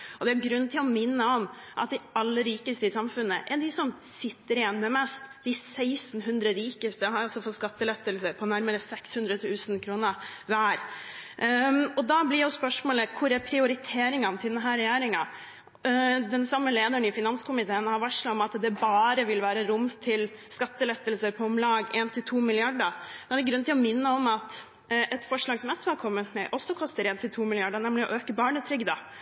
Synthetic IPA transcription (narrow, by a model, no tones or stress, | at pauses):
ɔd̪ɛæɾɡɾʉnːt̪ʰɪlɔmɪnːəɔm | ʔɑ̰t̪̚d̪ɪɑlːəɾiːkəst̪əɪsɑmfʉnːəʔɛɖɪsɔmsɪt̪ːəɾɪjɛnːmɛmɛst̪d̪ɪsæɪsnɦʉnd̪ɾəɾiːkəst̪əhɑɾɔsɔfɔt̪skɑt̪ːəlɛt̪ːəlsəɾpʰɔnæɾməɾəsɛkshʉnd̪ɾət̪ʰʉːsn̩kʰɾuːnəʋæːɾ | ɔd̪ɑblɪɾjʊspœʂmoːləkʰʊɾɛɾpʰɾɪʊɾɪt̪ʰeːɾɪŋɑnt̪ʰɪd̪ɛnɦæːɾɛjæːɾɪŋɑ | d̪ɛnsɑmːəleːd̪əɳɪfɪnɑnskʰʊmɪt̪ʰeːnhɑɾʋɑʂlɑɔmɑt̪d̪ɛbɑːɾəʋɪlʋæːɾəɾʊmt̪ʰɪlskɑt̪ːəlɛt̪ːəl̩səɾpʰɔɔmlɑːɡeːnt̪ʰɪlt̪ʰuːmɪlɪɑɖəd̪ɛɑd̪ɪɡɾʉnt̪ʰɪlɔmɪnːəɔmɑt̪ | ʔɛt̪fɔʂɭɑːɡsɔmɛsɔhɑɾkʰɔmːət̪mɛʔɔsːɔkʰɔst̪əɾeːnt̪ʰɪlt̪ʰuːmɪlɪɑɖəɳɛmlɪɔ̰ʔøːkəbɑːɳət̪ʰɾʏɡd̪ɑ